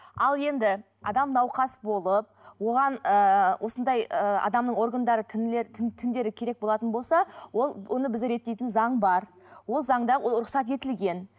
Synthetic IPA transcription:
ɑlˠje̞nd̪ɪ | ɑ̰d̪ɑmnɑwqɑsbo̞lˠəp̚wo̞ʁɑnəwo̞sənd̪ɑjəɑ̰d̪ɑmnəɴo̞rɡand̪ɑɾət̪ʰɪnleɾt̪ʰɪt̪ʰɪnd̪e̞ɾɪkʲʰe̞ɾe̞k̚bo̞lˠɑt̪ənbo̞lˠsɑwolˠwonəbɪzɪɾe̞t̪ːe̞jt̪ɪnzɑɴbɑɾ | wo̞lˠzɑɴd̪ɑʊɾʊqsɑt̪e̞t̪ɪlɡʲe̞n

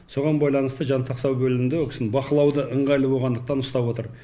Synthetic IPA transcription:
so̞ʁɑnbɑjlˠɑnəst̪əʒɑnt̪ʰɑqsɑwbɵlɪmɪnd̪ewokʲɪ̥sɪnbɑqəlˠɑwd̪əʔəɴʁɑjlˠəbo̞lˠʁɑnd̪əq̚t̪ɑnʊst̪ɑpwo̞t̪əɾ

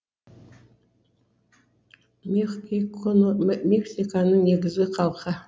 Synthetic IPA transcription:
meχkikonmeksikanəŋneɡɪzɪqʰɑlˠχɑ

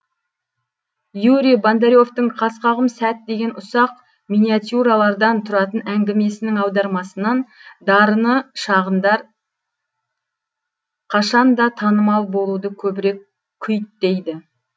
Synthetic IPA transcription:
juɾijband̪eɾʲjo̞ft̪əɴqʰɑsqɑʁəmsæt̪̚d̪e̞ɡʲe̞nʔʊsɑq | mijniat̪juɾɑlˠɑɾd̪ɑnt̪ʰʊɾɑt̪ənæŋɡʲɪme̞sɪnɪŋɑwd̪ɑɾmɑsənɑnd̪ɑɾənəʃɑʁənd̪ɑɾ | qʰɑʃɑnd̪ɑt̪ʰɑnəmɑlˠbo̞lˠud̪əkʲʰɵbɪɾe̞k | kʲʰːʏjt̪̚d̪e̞jd̪ɪ

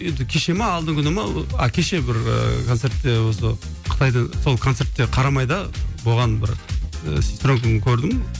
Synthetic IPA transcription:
jend̪ɪkʲʰe̞ʃe̞meːlˠd̪əŋkʲʰʏnəmɑɑ̰kʲʰe̞ʃe̞bɪɾə̰kʰot̪se̞ɾt̪ːe̞wo̞sə | qʰə̥t̪ʰɑjd̪əɴso̞lˠkʰot̪se̞ɾt̪ːe̞qʰɑɾɑmɑjd̪ɑbo̞ʁɑnbɪɾsist̪ɾoŋkʲnəkʲʰɵɾd̪ɪm

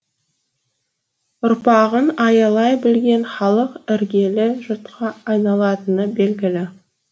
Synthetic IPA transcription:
ʊɾpɑʁənɑjɑlˠɑjbɪlɡʲe̞nχɑlˠəqɪɾɡʲe̞lɪʒʊt̪qʰɑːjnɑlˠɑt̪ənəbe̞lɡʲɪlɪ

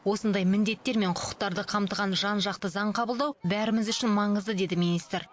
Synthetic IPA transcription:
wo̞sənd̪ɑjmɪnd̪e̞t̪ːe̞ɾme̞ɴqʰʊ̥qə̥q̚t̪ɑɾd̪əqʰɑmt̪əʁɑnʒɑnʒɑq̚t̪əzɑɴqʰɑbəlˠd̪ɑwbæɾɪmɪzʏʃɪnmɑɴəzd̪əd̪e̞d̪ɪmijnijst̪ɾ

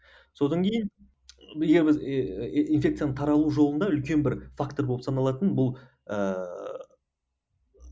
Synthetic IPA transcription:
so̞d̪ɑŋkʲʰe̞jɪn | eɡʲe̞ɾbɪzinfʲe̞kt̪sɨjanəɴt̪ʰɑɾɑlˠuʒo̞lˠənd̪ɑʏlkʲe̞nbɪɾfakt̪o̞ɾbopsɑnɑlˠɑt̪ənbʊlˠ | ə

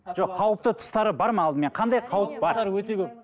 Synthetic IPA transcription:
ʒ̥oqːʰɑwəp̚t̪ət̪ʰʊ̥st̪ɑɾəbɑɾmɑːlˠd̪əme̞qʰɑnd̪ɑjqʰɑwəp̚bɑɾɑɾwɵt̪ekʲʰɵp̚

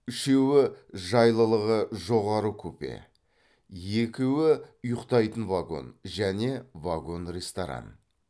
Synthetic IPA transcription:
ʏʃe̞wɪʒɑjlˠəlˠəʁəʒo̞ʁɑɾəkʲʰɵpḛ | je̞kʲɪwɪʊjəqt̪ɑjt̪ənvaɡo̞̰nʒæne̞vaɡo̞nre̞st̪oɾa̰n

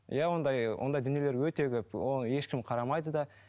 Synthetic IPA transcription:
jawo̞nd̪ɑjwʔo̰nd̪ɑjd̪ʏnje̞le̞ɾwɵt̪e̞kʲɵpoje̞ʃkʲɪmqʰɑɾɑmɑjd̪əd̪ɑ

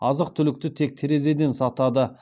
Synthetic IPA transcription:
ɑzəq̚t̪ʰʏlɪk̚t̪ɪt̪ʰe̞k̚t̪ʰeɾe̞ze̞d̪e̞nsɑt̪ɑd̪ə

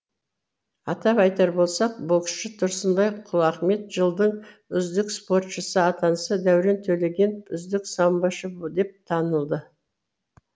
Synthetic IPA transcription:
ɑt̪ɑpɑjt̪ɑɾbo̞lˠsɑq̚boksʃɪt̪ʰʊɾsənd̪ɑjqʰʊlˠɑχme̞t̪ʒəlˠd̪əɴʏzd̪ɪkspo̞rt̪ʃəsəɑt̪ɑnsəd̪æwɾe̞nt̪ʰɵle̞ɡʲe̞nʏzd̪ɪksɑmbɑʃəd̪e̞p̚t̪ʰɑnəlˠd̪ə

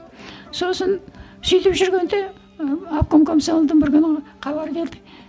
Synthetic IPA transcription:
so̞sən | sʏjt̪ɪpʒʏɾɡʲe̞nd̪e | ap̚komkomsoalˠd̪əɴbɪɾkʲʏnəqʰɑβɑɾbe̞ɾd̪ɪk

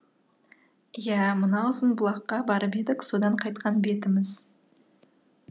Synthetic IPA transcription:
jæmənɑʊzənbʊlˠɑqːɑbɑɾəpe̞d̪ɪkso̞d̪ɑɴqʰɑjt̪̚qʰɑnbe̞t̪ɪmɪz

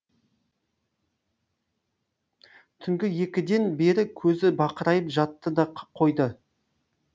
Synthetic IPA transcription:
t̪ʰʏŋɡʲɪje̞kʲɪd̪e̞nbe̞ɾɪkʲʰɵzɪbɑqəɾɑjəpʒɑt̪ːəd̪ɑqʰə̥qʰo̞jd̪ə

